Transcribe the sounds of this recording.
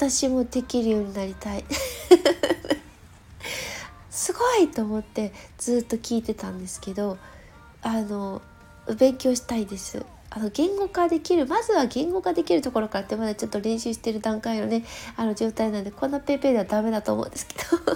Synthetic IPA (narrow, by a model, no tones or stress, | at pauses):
at̪aɕimo̞d̪e̞kʲiɾɯ̟jo̞ːɲ̟inaɾʲit̪ai | sɨɡo̞it̪o̞ːmo̞t̪ːe̞d͡z̥ɨːt̪ːo̞kʲiːt̪e̞t̪ãnd̪e̞sɨ̥ke̞d̪o̞ | ano̞ | bẽ̞ŋkʲo̞ːɕi̥t̪aid̪e̞sɨ̰ | ano̞ɡẽ̞ŋɡo̞kad̪e̞kʲiɾɯ̟mazɨβaɡẽ̞ŋɡo̞ɡad̪e̞kʲiɾɯ̟t̪o̞ko̞ɾo̞kaɾat̪ːemad̪at͡ɕo̞t̪ːo̞ɾẽ̞ɰ̃ɕɨːɕi̥t̪e̞ɾɯ̟d̪ãŋkainone̞ano̞d͡ʑo̞ːt̪ainand̪ekõ̞nːape̞ːpe̞ːd̪eβad̪ame̞d̪at̪o̞ːmõ̰nd̪e̞sɨ̥ke̞̥d̪̥o